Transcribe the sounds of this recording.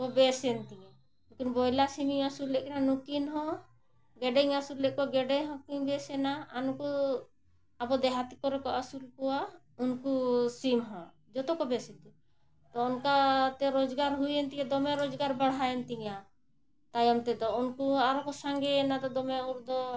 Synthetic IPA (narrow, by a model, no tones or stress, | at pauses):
kɔbɛsɛnt̪iɲa | lkinbɔjlasimiŋasuɾlɛʔkɛnanukinɦɔ̃ | ɡɛɖɛŋasuɾlɛʔkɔwaɡɛɖɛɦɔ̃kiɲbɛsɛnaːnukuː | bɔd̪ɛɦat̪ikɔɾɛkɔasulkɔwa | unkusimɦɔ̃ | d͡ʒɔt̪ɔkɔbɛsɛt̪u | t̪ɔɔnkat̪ɛɾɔd͡ʒɡaɾɦujɛnt̪iɲad̪ɔmɛɾɔd͡ʒɡaɾbaɽ̤aɛnt̪iɲa | t̪ajɔmt̪ɛd̪ɔunkuaɾɔkɔsaŋɡɛnat̪ɔd̪ɔmɛuɾd̪ɔ